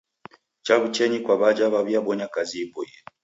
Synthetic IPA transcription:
t͡ʃaβut͡ʃɛɲikwaβad͡ʒaβaβiaɓɔɲakaziɛbɔjɛ

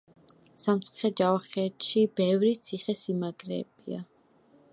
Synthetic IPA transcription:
samt̪sʰʼu̥χɛd͡ʒavaχɛːt̪ʃibɛvɾit̪sʰiχɛsimaɡɾɛ̰ːb̥ia

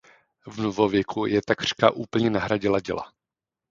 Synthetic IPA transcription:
vnovovjɛkʰujɛt̪akr̝̥kaʔuːpl̩ɲɛnaɦɾaɟɪlaɟɛ̰la̰

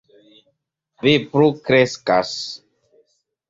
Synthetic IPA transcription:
vipɾukɾeskas

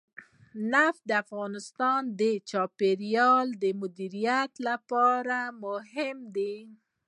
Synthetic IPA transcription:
nafd̪əafɣɑnɪst̪ɑnd̪ət͡ʃɑpeɾijɑld̪əmʊd̪iɾijat̪lapɑɾamʊhɪmd̪e

